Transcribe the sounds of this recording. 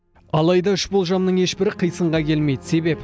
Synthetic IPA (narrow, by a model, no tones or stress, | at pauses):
ɑlˠɑjd̪ɑʏʃbo̞lˠʒɑmnəɴe̞ʃbɪɾɪqʰəjsəɴʁɑkʲʰe̞lme̞jd̪ɪse̞be̞p